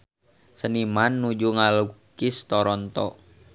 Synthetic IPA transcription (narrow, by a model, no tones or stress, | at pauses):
sənimanːud͡ʒuŋalukist̪ɔɾɔnt̪ɔ